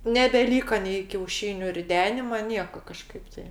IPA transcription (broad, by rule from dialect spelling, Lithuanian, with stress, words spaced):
nʲɛbʲɛˈlʲiːkɐ nʲɛɪ kʲɛʊˈʃʲiːnʲʊ rʲɪˈdʲæːnʲɪmɐ ˈnʲiɛkɐ kɐˈʃkɐɪp tɐɪ